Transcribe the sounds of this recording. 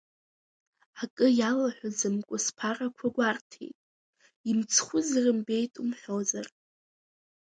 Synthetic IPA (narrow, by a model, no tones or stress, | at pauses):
akʼɨjalaħʷᶣazɨmkʷʼʊspʰarakʷʰaɡʷartʰḛjtʼ | imt͡sʰχʷʊzrɨmbe̞jtʼumħʷᶣowzar